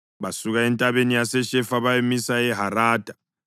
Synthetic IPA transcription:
βasuɣaɛntʼaβenijasɛʃɛfaβajemisaɛɦaɾaːd̥ʱa

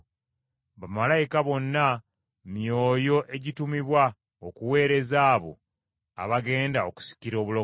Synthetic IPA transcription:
βamalajikaβo̞nːa | mjo̞ːjo̞ʔe̞ɟitumiβwa | okuwe̞ːɾe̞zaːβo̞̰ | a̰βaɡe̞ːndaoku̥si̥ciɾo̞ːβulo

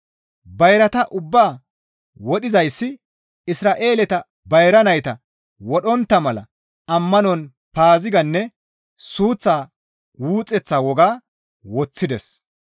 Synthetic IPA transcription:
bɐjɾɐt̪ɐʔʊbːaː | wɔɗɪzɐjsːɪ | ɪsɾaːʔe̞ːlɛt̪ɐ | bɐjɾɐnɐjt̪ɐ | wɔɗɔnt̪ːɐmɐlɐ̰ | ɐmːɐnɔn | paːzɪɡɐnːɛ | suːt͡sːaː | wuːt͡sʼːɛt͡sːaːwɔɡaː | wɔt͡sːɪd̪ɛs

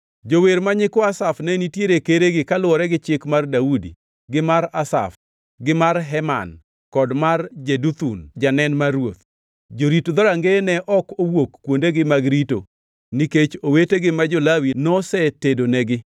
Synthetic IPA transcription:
d͡ʒoweɾmaɲɪkɔasafnɛnitjeɾekeɾeɡɪkalwɔɾɛɡɪt͡ʃɪkmardaudḭ | ɡɪmaɾasa̰f | ɡɪmarɦɛma̰n | kɔdmard͡ʒedut̪und͡ʒanɛnmarwot̪ | d͡ʒoɾitd̪ɔɾaŋɡenɛʔɔkowokːwondeɡɪmaɡɾito̰ | niket͡ʃoweteɡɪmad͡ʒolawinɔsɛtedonɛɡɪ

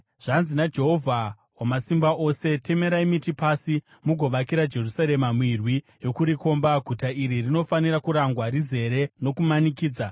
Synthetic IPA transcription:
ʐ̥anzinad͡ʒe̞ɦo̞vʱa | wamasimbaʔo̞se̞te̞me̞ɾaimitipasi | muɡʱo̞ʋakiɾad͡ʒe̞rusaɾe̞mamwirwi | jo̞kuɾiko̞mbaɡʱutaʔiɾirino̞faniɾakuɾaŋɡwaɾize̞ɾe̞no̞kumanikiːd͡za

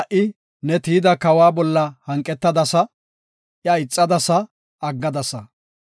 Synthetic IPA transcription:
ʔɪ | nɛt̪iːd̪ɐkɐwaːbɔlːɐhɐŋkʼːɛt̪ːɐd̪ɐsɐ | jɐɪt͡sʼːɐd̪ɐsɐ | ɐɡːɐd̪ɐsɐ

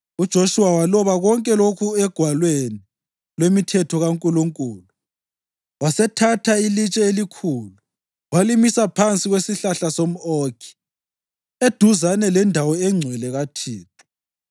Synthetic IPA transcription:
ud̥ʒ̥ʱoʃuwawalɔβaɣɔŋkʼɛlokʰuɛɡ̥ʱwalweni | lwemitʰɛtʰɔɣaŋkʼuluŋkʼuːlu | wasɛtʰatʰailit͡ʃʼɛelikʰuːlu | walimisapʰant͡sʼiɣwesiɬaɬasom̩oːkʰi̥ | ed̥ʱuzanɛlɛndʱawɔɛŋ͡ǀʱwɛlɛɣatʰiːtʰʼu̥

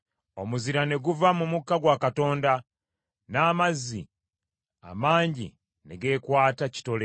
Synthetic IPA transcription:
o̞muziɾane̞ɡuvamumukːaɡwakato̞ːnda | naːmazːḭ | a̰maːɲɟḭ | ne̞ɡe̞ːkwaːtaci̥to̞le

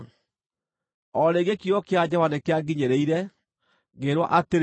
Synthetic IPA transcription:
ɔɾeɡekijɔkead͡ʑɔwanekeaɡiɲeɾeiɾɛ | ɡeɾwɔ̰ʔateɾ

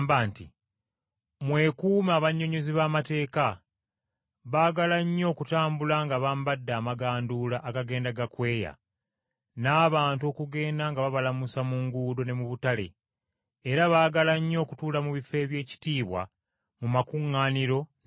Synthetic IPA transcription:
mbaːntḭ | mwe̞kuːmaːβaɲːo̞ɲoziβaːmate̞ːka | βaːɡalaɲːo̞ːkutaːmbulaŋɡaβambadːaːmaɡaːndulaʔːkaɡe̞ːndaɡakwe̞ːja̰ | naːβaːnto̞ːkuɡe̞ːndaŋɡaβaβalamusamuŋɡuːdo̞ne̞muβutale̞̰ | eɾaβaːɡalaɲːo̞ːkutuːlamuβife̞ːβje̞ːci̥tiːβwa̰ | mumakuŋːaːniɾo̞

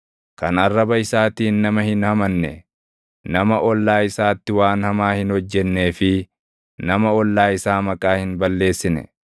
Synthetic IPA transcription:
kɐnɐrːɐbɐɪsaːt̪iːnːɐmɐhɪnhɐmɐnːɛ | nɐmɐʔɔlːaːɪsaːt̪ːɪwaːnhɐmaːhɪnhɔd͡ʒːɛnːe̞ːfɪ | nɐmɐɔlːaːɪsaːmɐkʼaːhɪnbɐlːe̞ːsːɪnɛ̰

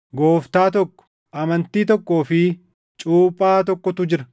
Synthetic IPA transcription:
ɡoːft̪aːt̪ɔkːɔ̥ | ʔɐmɐnt̪iːt̪ɔkːo̞ːfɪ | t͡ʃʼuːpʼːaːt̪ɔkːɔt̪ʊd͡ʒɪɾɐ

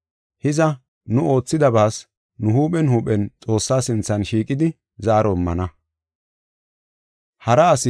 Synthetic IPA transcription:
hɪzɐ | nʊo̞ːt͡sːɪd̪ɐbaːs | nʊhuːpʼɛnhuːpʼɛnt͡sʼo̞ːsːaːsɪnt͡sːɐnʃiːkʼɪd̪ɪ | zaːɾɔmːɐ̰nɐ | hɐɾɐːsɪ

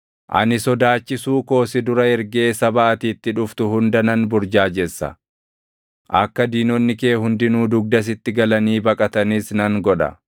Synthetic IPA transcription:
ʔɐ̰nɪsɔd̪aːt͡ʃːɪsuːko̞ːsɪd̪ʊɾɐɛɾɡe̞ːsɐbɐːt̪iːt̪ːɪᶑʊft̪ʊhʊnd̪ɐnɐnbʊɾd͡ʒaːd͡ʒɛsːɐ̰ | ʔɐ̰kːɐd̪iːnɔnːɪke̞ːhʊnd̪ɪnuːd̪ʊɡ̚d̪ɐs̬ɪt̪ːɪɡɐlɐniːbɐkʼɐt̪ɐnɪsnɐŋɡɔᶑɐ̰

